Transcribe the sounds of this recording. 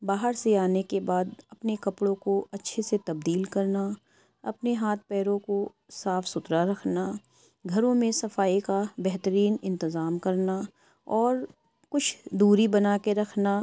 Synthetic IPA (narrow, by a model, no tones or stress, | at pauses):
baːɦəɾseaːnekebaːd̪ɐpnekɐpɽõkoʔɐtːʃʰeset̪ɐbd̪iːlkɐɾna | ɐpneɦaːt̪̚ʰpɛːɾõko | saːfsʊt̪ɾaɾɐkʰna | ɡʱɐɾõmẽsɐfaːikabɛɦt̪əɾiːnɪ̃nt̪ɪzaːmkɐɾna | ɔːɾ | kʊt͡ʃʰd̪uːɾibɐnaːkeɾɐkʰna